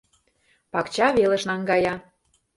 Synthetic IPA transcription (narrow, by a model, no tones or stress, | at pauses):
pɑkt͡ɕɑβelə̆ʃnɑŋɡɑjɑ